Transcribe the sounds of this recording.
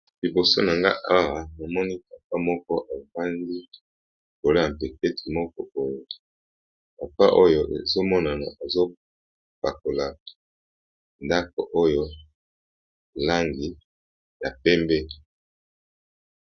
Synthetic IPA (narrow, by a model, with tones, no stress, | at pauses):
li˨bo˨so˦na˨ŋɡa̰˦ʔa˦ʁa˨na˨mɔ˦ni˦ka˨pa˦mɔ˦kɔ˦ʔa˨ba˦nɡi˦˨ | ko˨lo˦ja˨m̩˨pe˨kɛ˦tʰi̥˨mɔ˦kɔ˦o˦jo˨ | pa˨pa̰˦ʔo˦jo˨ʔḛ˨zo˦mɔ˦na˨na̰˨a˨zo˦ | pa˨ko˨la˨ | nda˦ko̰˨ʔo˦jo˦ | la˦ŋɡi˨ | ja˨pɛ˦mbɛ˦